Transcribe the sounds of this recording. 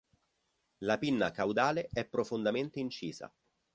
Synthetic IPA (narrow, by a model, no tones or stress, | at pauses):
lapinːakawd̪aːleɛpːɾofond̪ament̪eint͡ʃiːza̰